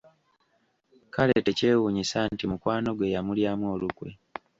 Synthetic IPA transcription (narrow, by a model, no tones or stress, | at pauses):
kalete̞ce̞ːwuɲisantimukwaːno̞ɡwe̞jamuljaːmwo̞ːlukwe̞̰